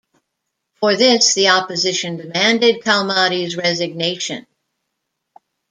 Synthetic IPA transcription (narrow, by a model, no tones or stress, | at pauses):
fə˞ðɪsðiɑpɨzɪʃɨ̃ndɨmæ̃ndɨd̚kʰɑlˠmɑɾizɹɛzɨɡ̚neɪʃɨ̃n